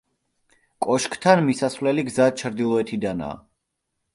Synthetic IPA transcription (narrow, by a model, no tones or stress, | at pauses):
kʼɔʃkʰʼt̪ʰanmisasvlɛliɡzat͡ʃʰɾd̪ilˠɔɛt̪ʰid̪ana̰ː